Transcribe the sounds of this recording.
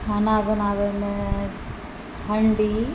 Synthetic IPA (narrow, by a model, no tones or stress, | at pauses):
kʰaːnabɐnaːʋemẽ | hɐ̃ɳɖi